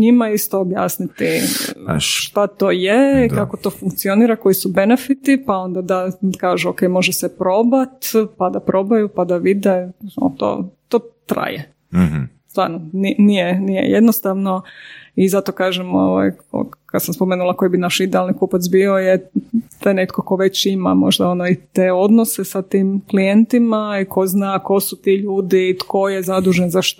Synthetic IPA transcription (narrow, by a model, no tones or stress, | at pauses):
ɲimaist̪oobja̰ːsnit̪i | ʃt̪at̪oːjeikako̞t̪o̞ːfuŋkt̪sioniːɾako̞jisube̞nefit̪ipao̞nd̪ad̪akaːʒuokejmo̞ʒɛsepɾo̞bat̪pad̪apɾʔo̞bajupad̪aʋid̪eo̰t̪o̰ːt̪oːt̪ɾa̰je | st̪ʋa̰ːɾnoninijenijḛjed̪nost̪aʋno̞izat̪okaːʒɛmo̰ʋa̰jo̰kad̪samspomeːnulˠakojibinaʃid̪ɛalnikupat̪s̬bio̞jet̪onet̪koko̞ʋe̞t͡ɕima̰mo̰ʒd̪aonoit̪eo̞d̪nosesat̪iːmklijent̪imaikʰo̞znako̞sut̪iʎuːd̪it̪kʰo̞jezad̪uʒenzaʃt̪